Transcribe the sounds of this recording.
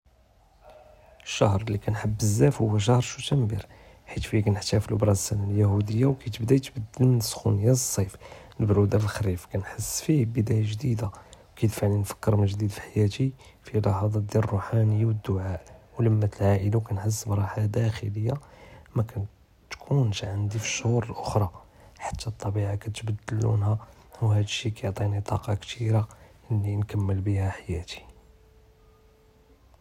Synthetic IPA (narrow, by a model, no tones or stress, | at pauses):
əʃːɑhɾˤlːikænħəbːəzːæfhʊwːæʃ̬ɑhɾˤʃut̪æmbḭɾ | ħit̪fikænəħt̪æfilʔbɾˤɑsænaljæhud̪əjːawkæt̪əbd̪æt̪bəd̪ːəlmənəsxṵnəjæsˤːɑjfnəbɾud̪afəlxɾifkænħəsːfibəd̪æjaʒd̪id̪awkæjt̪fʕlinfə̥kːəɾməʒd̪id̪fi̥ħajæt̪ifilɑħɑd̪ˤɑd̪jilrˤːuħanəjːawəd̪ːʊʕaʔwləmːæt̪əlʕaʔəlakænħəs̬ːəbɾˤɑħlad̪æxələjːamækæn | t̪kʰuntʕənd̪ifi̥ʃːhuɾəlʔʊxɾˤɑ | ħḁt̪ʰːæt̪ˤːɑbiʕakæt̪bəd̪ːəlːṵnɦæ | whæd̪ʃikæjoʕt̪ˤinit̪ˤɑ̰qɑkt̪ʰiɾaʔəlːinkəmːəlbihæħajæt̪i̥